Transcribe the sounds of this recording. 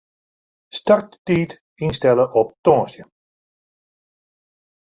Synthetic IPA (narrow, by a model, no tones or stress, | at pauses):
stark̚ttiːt | instɛləʔɔp̚tɔ̃ːsjə